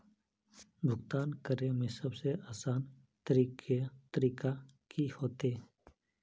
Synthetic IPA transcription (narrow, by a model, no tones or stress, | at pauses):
bʱʊɡt̪aːnkəɾemẽsəbseaːsaːn | t̪əɾiːkʰet̪əɾiːka | kʰihoːt̪eː